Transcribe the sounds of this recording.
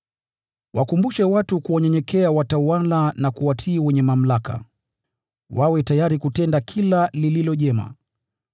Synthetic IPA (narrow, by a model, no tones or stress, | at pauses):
wakumbuʃɛwatukuɔɲɛɲɛkɛawatawalanakuwatʰiːwɛɲɛmam̩laka̰ | wawɛtajaɾikutɛndakʰilalililɔʄɛma̰